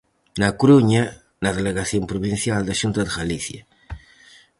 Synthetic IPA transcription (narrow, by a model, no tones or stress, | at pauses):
nakuɾuɲa | naðeleɣaθjompɾuβinθjald̪aʃunt̪ad̪əɣaliθja